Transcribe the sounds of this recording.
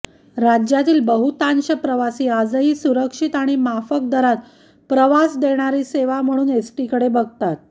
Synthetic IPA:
ɾad͡ʑjat̪iːlbəɦut̪anɕəpɾəʋasiːad͡zəɦiːsuɾəkʂit̪aɽ̃imafək̚d̪əɾat̪ | pɾəʋasd̪eɽ̃aɾiːseʋam̤əɽ̃uːnesʈikəɽebəɡ̚t̪at̪̚

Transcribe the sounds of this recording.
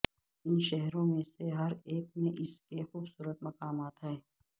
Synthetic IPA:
ɪnʃɛɦɾõmẽseɦɐɾeːkmẽʔɪskexuːbsuːɾət̪mɐkaːmaːt̪aɛː

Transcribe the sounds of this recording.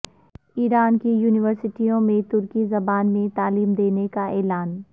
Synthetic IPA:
iːɾaːnkijuːnɪʋəɾsɪʈijõmẽt̪ʊɾkizɐbaːnmẽt̪aːliːmd̪eːnekaɛːlaːn

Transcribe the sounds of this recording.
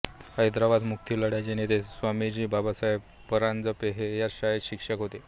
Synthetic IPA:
həjd̪ɾaʋad̪muk̚t̪ʰiːləɽjad͡ʑenet̪esʋamid͡ʑiːbabasaje | pəɾãnd͡zəpeɦejaɾɕajeɕikʂəkɦot̪e

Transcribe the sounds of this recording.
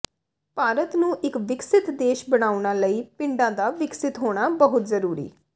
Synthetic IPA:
paːɾət̪nũːʔɪkʋɪksɪt̪d̪eːʃbəɽ̃aːʊɳaːləiːpɪ̃ɳɖãːd̪aːʋɪksɪt̪ɦoːɽ̃aːbəɦʊt̪zəɾuːɾḭː

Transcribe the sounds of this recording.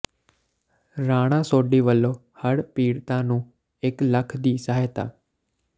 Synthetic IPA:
ɾaːɽ̃ãːsoːɖiːʋəlːoː | həɽpiːɽt̪ãːnũː | ekləkʰd̪iːsaɦajt̪a̰ː

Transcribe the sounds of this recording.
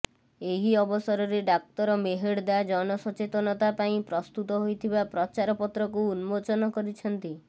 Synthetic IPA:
eɦiɔbɔsɔɾɔɾeɖak̚t̪ɔɾɔmeɦeɽd̪ad͡ʒɔnɔsɔt͡ʃet̪ɔnɔt̪apaĩpɾɔst̪ut̪ɔɦojt̪ʰibapɾɔt͡ʃaɾɔpɔt̪ɾɔkuːnmot͡ʃɔnɔkɔɾit͡ʃʰɔnt̪i

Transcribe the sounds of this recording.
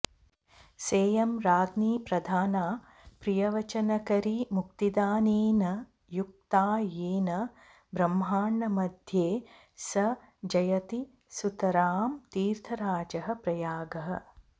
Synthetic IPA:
seːjɐmɾaːd̪niːpɾɐd̪ʱaːnaː | pɾijɐʋɐt͡ʃɐnɐkɐɾimuk̚t̪id̪aːniːnɐ | juk̚t̪aːjiːnɐ | bɾɐmɦaːɳːɐmɐd̪ʱjeː | sɐ | d͡ʒɐjɐt̪i | sut̪ɐɾaːmt̪iːɾt̪ʰɐɾaːd͡ʒɐɦɐ̆pɾɐjaːɡɐɦɐ̰̆

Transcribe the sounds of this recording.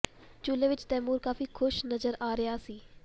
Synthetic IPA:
t͡ʃuːleːʋɪt͡ʃt̪ɛːmuːɾkaːfiːkʰʊʃnəzəɾaːɾɪjaːsiː

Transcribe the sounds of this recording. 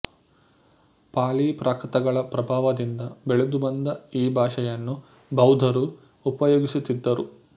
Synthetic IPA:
paːliːpɾʔaːkɾɐt̪ɐɡɐɭɐpɾɐbʱaːʋɐd̪ind̪ɐbeɭud̪ubɐnd̪ɐiːbʱaːʂɐjɐnːu | bʱɐwd̪ʱɐɾu | upɐjoːɡisut̪id̪ːɐɾu

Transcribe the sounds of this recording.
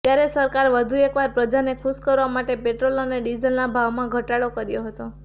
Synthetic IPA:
t̪jaɾesəɾkaɾʋəd̪ʱuekʋaɾpɾəd͡ʒanekʰuskəɾʋamaʈepeʈɾoloneɖid͡ʒəlnabʱaʋmãɡʱəʈaɽokəɾjoɦət̪o

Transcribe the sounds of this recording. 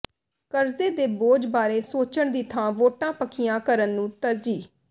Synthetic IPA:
kəɾzeːd̪eːboːd͡ʒbaːɾeːsoːt͡ʃəɳd̪iːt̪ʰãːʋoːʈãːpəkʰɪjãːkəɾənːũːt̪əɾd͡ʒiː

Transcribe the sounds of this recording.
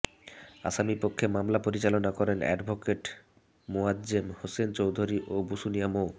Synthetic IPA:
a̰ʃamipokʰːemamlapoɾit͡ɕalonakɔɾenɛ̰ɖbʱokeʈ | moadd͡ʑemhosent͡ɕowd̪ʱoɾiʔobusunijamo

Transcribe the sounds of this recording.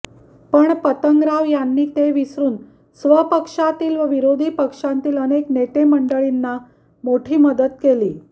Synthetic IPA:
pəɳpət̪əŋɡɾaʋjanːiːt̪eʋisɾuːn | sʋəpəkʂat̪iːlʋəʋiɾod̪ʱiːpəkʂãnt̪iːlənekneʈ̪eməɳɖəɭinːa | moʈʰiːməd̪ət̪̚keliː

